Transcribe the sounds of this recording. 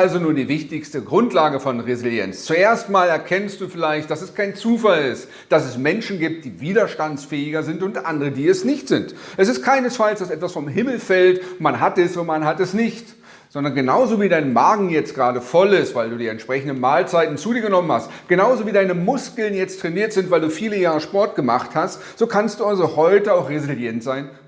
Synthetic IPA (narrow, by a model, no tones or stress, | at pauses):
alzonuːɐdiːvɪçtɪçstəɡʁʊntlaːɡəfɔnʁezɪljɛ̰nt͡st͡sueːɐstmaːlɛɐkʰɛnstd̥uːfɪlaɪçt̚d̥asɛskʰaɪnt͡suːfalɪst | d̥asɛsmɛnʃn̩ɡiːp̚t̚d̥iːviːdɐʃtansfɛːɪɡɐzɪntʊntʔandəʁədiːɛsnɪçtz̥ɪntʔɛsɪst̚kʰaɪnəsfalsd̥asʔɛtv̥asfɔmɦɪml̩fɛltmanɦatɛsomanɦatɛsnɪçt | z̥ɔndɐnɡənaʊzoːviːdaɪnmaːɡŋ̩jɛt͡st̚ɡ̥ʁaːɾəfɔlɪstv̥aɪlduːdiːɛntʃpʁ̥ɛçn̩dənmaːlt͡saɪtn̩t͡suːdiːɐɡənɔmənhastɡ̥ənaʊzoviːdaɪnəmʊskl̩njɛt͡stʁ̥ɛniːɐtz̥ɪntv̥aɪlduːfiːləjaːʁəʃpɔɐt̚ɡ̥əma̰χthast | z̥oːkʰanstd̥uːalzohɔʏtəaʊxʁezɪljɛntz̥aɪn